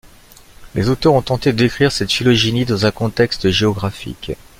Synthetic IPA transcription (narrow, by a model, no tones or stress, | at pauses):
lʔezot̪œʁɔ̃t̪ɑ̃t̪ed̪əd̪ekχiʁsɛt̪filɔʒinid̪ɑ̃zɛ̃kɔ̃t̪ɛkst̪ʒeɔɡʁafḭk